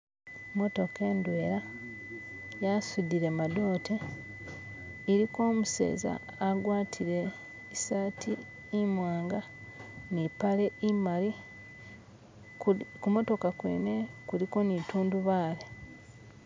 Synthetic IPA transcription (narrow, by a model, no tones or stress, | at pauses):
mo̞to̞ke̞ːndweːɾa | jasudiɾemado̞ːtʰe | iɾiko̞ːmuse̞̰ːza̰ːɡwaːtʰiɾe̞ | saːtʰiː | mwaːŋɡa | nipale̞imali | kumo̞to̞kakwḛːne̞kuliko̞nituːnduβaːle